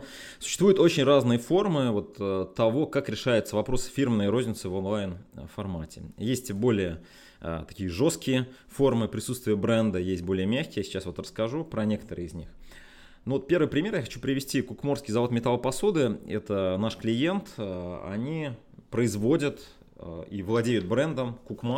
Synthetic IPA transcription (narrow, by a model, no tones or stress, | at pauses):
sʊ̥ɕːst̪vujʊt̪ot͡ɕɪnʲraznɨjəfo̞rmɨvo̞t̪ət̪ːɐvo̞kakɾʲɪʂajʊt̪səvɐpɾo̞sɨ̥fʲirmnəjro̞zʲnʲɪt̪sɨvonlˠajnfɐrmatʲɪ̰jesʲtʲbo̞lʲɪjə | ə̰t̪ɐ̥kʲijəʐo̞skʲɪjə | fo̞rmɨpɾʲɪsut̪st̪vʲɪjəbɾɛnd̪əjesʲt̚ʲbo̞lʲɪjəmʲæxʲkʲɪjsʲɪ̥t͡ɕasvo̞t̪rəskɐʐupɾɐnʲe̞kə̥t̪əɾɨ̰əɪzʲnʲix | nʊvot̪̚pʲe̞ɾvɨɪpɾʲɪmʲe̞rjaxɐt͡ɕupɾʲɪvʲɪsʲtʲikʊkmo̞rskʲɪjzɐvo̞t̪mʲɪt̪alˠəpɐso̞d̪ɨɛt̪ənaʂklʲɪje̞nt̪ɐ̰nʲi | pɾəɪzvo̞dʲət̪ | ivlˠɐdʲejʊt̪̚bɾɛnd̪əmkʊkm